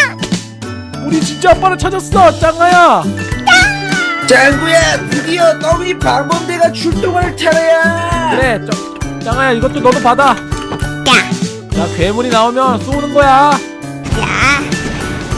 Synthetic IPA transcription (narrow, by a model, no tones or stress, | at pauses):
uɾit͡ɕint͡ɕ͈ʌp̚p͈aɾɯt͡ɕʰad͡ʑʌs͈ʌt͡ɕ͈aŋaja | t͡ɕaŋɡujepuɡiʌt̪͈ʌŋipaɾbʌndeɡat͡ɕuɭt͈oŋaɾɯɭt͡ɕʰaɾejakɯɾe̞t͡ɕʌ | t͡ɕ͈aŋajaiɡʌt͈onʌnupada | t͡ɕakwemuɾinaomjʌns͈ounɯnɡʌja | ja